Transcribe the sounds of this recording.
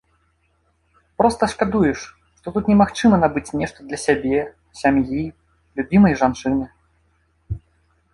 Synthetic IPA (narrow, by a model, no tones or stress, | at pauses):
pɾɔst̪ɐʂkad̪ujɛʂ | ʂt̪ɔt̪ut̪nʲɛmaxt͡ʂɨmɐnabɨt͡sʲnʲɛʂt̪ɐd̪lʲɐsʲabʲɛ | sʲamji | lʲubʲimɐjʐant͡ʂɨnɨ